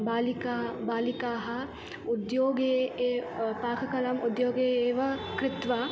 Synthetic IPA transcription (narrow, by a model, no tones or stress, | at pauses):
baːlikaːbaːlikaːɦɐ̆ | ud̪joːɡeː | paːkʰɐkɐlɐmud̪joːɡeːeːʋɐkɾɪt̪ʋa